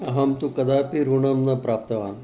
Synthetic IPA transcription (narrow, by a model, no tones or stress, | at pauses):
ɐɦɐmt̪ukɐd̪aːpiɾuɳɐmnɐpɾaːp̚t̪ɐʋaːn